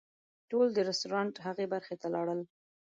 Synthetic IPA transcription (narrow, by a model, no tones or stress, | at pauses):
ʈold̪əɾɪst̪oɾɑɳʈɦaɣebaɾxet̪alɑɽəl